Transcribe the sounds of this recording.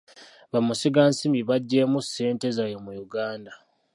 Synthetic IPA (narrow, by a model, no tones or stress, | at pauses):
βamusiɡaːnsimiβaɟːe̞ːmuse̞ːnte̞zajomujuɡaːnda